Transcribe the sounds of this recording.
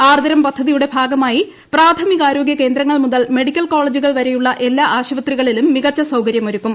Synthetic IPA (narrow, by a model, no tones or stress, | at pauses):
aːrd̪ɐɾɐmpɐd̪ʱːɐðijuɽe̞bʱaːɡɐmaːji | praːt̪ʰɐmikaːɾo̞ːɡjɐke̞ːnd̪ɾɐŋːɐɭmuðɐlme̞ɽikʲːɐlkoːɭed͡ʑuɣɐɭʋɐɾe̞juɭːɐʔe̞lːaːʔaːɕɐʋɐt̪riɣɐɭilumːiɣɐt͡ɕːɐsɐwkɐɾjɐmoɾukːum